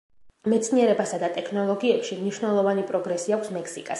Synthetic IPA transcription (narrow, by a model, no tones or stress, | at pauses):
mɛt̪sʰniɛɾɛbasad̪at̪ʼɛkʰnɔlˠɔɡiɛpʃimniʃwnɛlˠɔvanipʼɾɔɡɾɛsiakʰʷsmɛkʰsikʼas